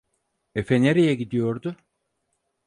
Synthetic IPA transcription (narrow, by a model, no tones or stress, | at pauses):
efeneɾijɛɟid̪ijo̞ɾd̪ʊ